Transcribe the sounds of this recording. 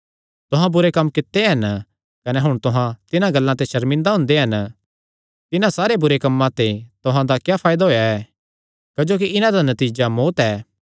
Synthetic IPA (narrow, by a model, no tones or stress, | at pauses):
t̪ʊɦãbʊɾekɐmːkɪt̪ːeɦɐn | kɐnɛɦʊɽ̃t̪ʊɦãt̪ɪnãɡɐlːãt̪eʃɐɾmɪ̃nd̪aɦʊ̃nd̪eɦɐn | t̪ɪnãsaːɾebʊɾekɐmːãt̪et̪ʊɦãd̪akjaːpʰaːjd̪aɦoːjaɛː | kɐd͡ʒoːk̬iʔɪnãd̪anɐt̪iːd͡ʒamoːt̪ɛː